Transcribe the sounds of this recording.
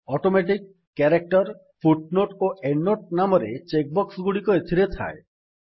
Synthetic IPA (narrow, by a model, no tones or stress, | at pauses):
ɔʈomeʈikː | eɾek̚ʈɔɾ | pʰuʈnoʈoenːoʈ̚namɔɾet͡ʃek̚bɔksɡuɽikɔet̪ʰiɾet̪ʰa̰e